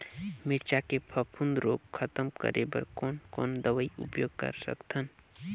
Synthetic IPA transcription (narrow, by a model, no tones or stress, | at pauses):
mɪɾt͡ʃakepʰəpʰũnd̪ɾoːɡkʰət̪əmkə̰ɾʔḛbə̰ɾkoːnkoːnd̪əʋəiʊ̰pjoːɡ̚kə̰ɾsə̰kt̪ʰən